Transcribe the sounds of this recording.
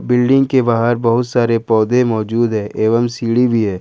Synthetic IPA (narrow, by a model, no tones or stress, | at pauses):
bɪlɖɪ̃ŋɡkebaːɦəɾbɐɦʊt̪saːɾepɔːd̪ẽmɔːd͡ʒuːd̪ɦɛ̃ːʔʔeːʋəmsiːɽibʱiɦɛ̃ː